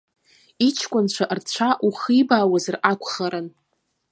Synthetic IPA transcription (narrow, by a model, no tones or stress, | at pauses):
it͡ʃʰkʷʼʊnt͡ɕʷʰaʔrt͡ɕʷʰaʔuχijbaːwazrakʷʰχaɾɨn